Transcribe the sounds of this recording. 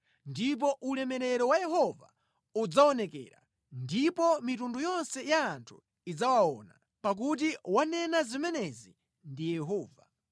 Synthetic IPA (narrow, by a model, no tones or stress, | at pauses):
ndip̬ɔʔulɛmɛɾɛɾɔwajɛɦɔva̰ | ud͡zaɔnɛkɛ̰ɾa̰ | ndipɔmitundujɔnsɛjaːntʰu̥ | id͡zawaɔ̰na̰ | pak̬ut̬iwanɛnazimɛnɛzi | ndijɛɦɔːva